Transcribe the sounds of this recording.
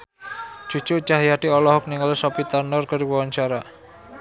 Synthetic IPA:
d͡ʒ̥ut͡ʃut͡ʃaɦjaʈiɔlɔɦɔk̚niŋɔlsɔpit̪arnɔrkəɾibɔwant͡ʃaɾa

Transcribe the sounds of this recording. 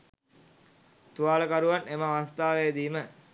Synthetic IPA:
t̪uaːləkaɾuʋanemaʋast̪aːʋeed̪iːmə

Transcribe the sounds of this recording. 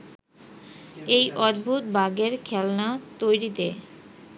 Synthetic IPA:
ejʔɔd̪̚bʱut̪baɡeɾkʰɛlnat̪ojɾit̪e

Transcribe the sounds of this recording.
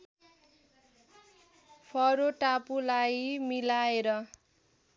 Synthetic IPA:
pʰʌɾoʈapulajmilaeɾʌ

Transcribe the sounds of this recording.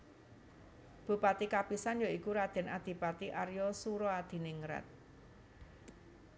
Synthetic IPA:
b̥ṳpat̪ikapisanjɔikuɾad̪̥ɛ̤nad̪̥i̤pat̪iʔaɾjɔsuɾɔad̪̥i̤nɪŋɾa̰t̪̚

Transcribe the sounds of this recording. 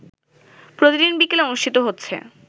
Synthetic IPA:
pɾot̪idinbikeleonuʃʈʰit̪oɦotːɕʰḛ

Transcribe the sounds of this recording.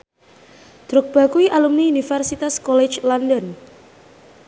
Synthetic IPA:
d̪̥ɾʊk̚b̥a̤kuiʔalumniunifɛrsit̪askɔlɛ̥t͡ʃlɔndən

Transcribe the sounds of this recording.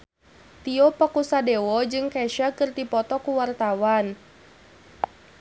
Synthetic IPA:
t̪iɔpakusadewɔd͡ʒɨŋkɛʃakɨrt̪ipɔt̪ɔkuwart̪awan

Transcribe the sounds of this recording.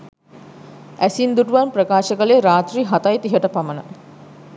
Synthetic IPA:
æsind̪uʈuʋanprəkaːʃəkəleɾaːt̪riːɦat̪ajt̪iɦəʈəpamənə

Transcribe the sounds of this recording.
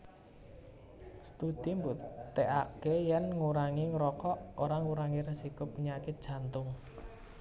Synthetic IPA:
st̪ud̪̥i̤mbut̪eʔakejɛnŋuɾaŋiŋɾɔkɔʔoɾaŋuɾaŋiɾəsikʊpːəɲakɪt̪̚d̥ʒ̥ä̤nt̪ʊŋ

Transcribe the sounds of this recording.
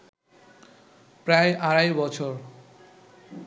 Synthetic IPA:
pɾaeʔaɾajbɔt͡ɕʰoɾ

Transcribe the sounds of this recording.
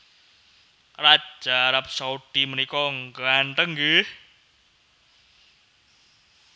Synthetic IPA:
rḁʒ̥aɾap̚sauɖ̥i̤mənikɔŋɡaɳʈ̪əŋɡih

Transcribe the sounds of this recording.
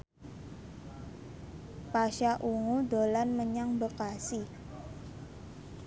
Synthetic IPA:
paʃaʔuŋudolanməɲaŋbəkasi

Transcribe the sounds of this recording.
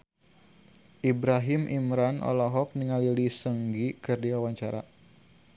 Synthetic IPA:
ʔibɾaɦimʔimɾanʔɔ̰lɔɦɔk̚niŋalilisəŋɡikɨrdiwawaɲt͡ʃaɾa̰

